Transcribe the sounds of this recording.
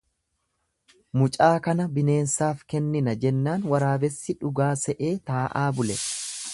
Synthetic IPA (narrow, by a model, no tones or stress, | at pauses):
mʊt͡ʃʼaːkɐnɐbɪne̞ːnsaːfkɛnːɪnɐd͡ʒɛnːaːnwɐɾaːbɛsːɪᶑʊɡaːsɛʔe̞ːt̪aːʔaːbʊlɛ